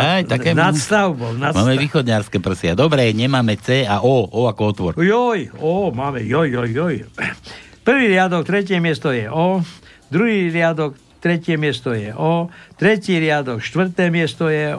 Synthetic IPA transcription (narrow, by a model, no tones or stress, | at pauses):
ajt̪akɛːnat̪st̪aʊbɔlnamaːmɛʋiːxɔd̪ɲaɾskɛpr̩sɪad̪ɔbɾɛɲɛmaːmɛt͡sɛːaʔɔɔakɔɔt̪ʋɔɾjɔjɔmaːmɛjɔjːɔjːɔj | pr̩ʋiːɾɪad̪ɔkt̪ɾɛcɪɛmɪɛst̪ɔjɛʔɔ | d̪ɾuɦiːɾɪad̪ɔk | t̪ɾɛcɪɛmɪɛst̪ɔjɛʔɔt̪ɾɛciːɾɪad̪ɔkʃt̪ʋr̩t̪ɛːmɪɛst̪ɔjɛ